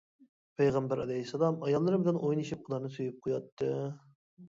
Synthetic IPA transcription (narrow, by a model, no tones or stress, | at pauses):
pʰejʁɑmbæɾɑlˠɛɦisɑlˠɑmɑjɑlˠːɨɾbɪlɛnʔojniʃip̚qʰəlˠɑɾnɨsyjyp̚qʰojɑt̪ʰːɨ